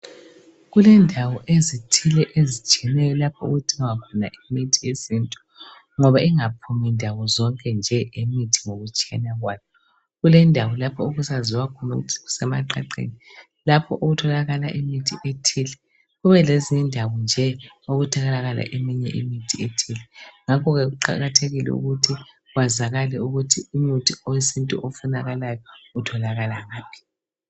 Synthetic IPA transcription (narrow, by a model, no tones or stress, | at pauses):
ɣulɛndʱawɔʔezitʰilɛʔezit͡ʃʼɛnɛjɔlapʰɔṵɣutʼiŋwakʰɔna̰ʔimitʰiesintʼu̥ | ŋɔβaʔiŋapʰumindʱawɔzɔŋkʼɛnd͡ʒʱɛʔemitʰi̥ŋoɣut͡ʃʼianaɣwajɔ | ɣulɛndʱawɔlapʰɔoɣusaziwakʰɔnaṵɣutʰi̥ɣu̥sɛmaǃa̰ǃḛni | lapʰɔʔoɣutʰɔlaɣala̰ʔimitʰiʔetʰilɛ | ɣuβɛlezindʱawɔnd͡ʒʱɛ | oɣutʰaɣalaɣala̰ʔemiɲɛ̰ʔḭmitʰietʰilɛŋakʰɔɣɛɣuǃa̰ɣatʰeɣilɛ̰ṵɣutʰi | ɣwazaɣalɛuɣutʰiumotʰiojisintʼṵʔofunaɣalajɔutʰɔlaɣalaɣaːmpʰi̥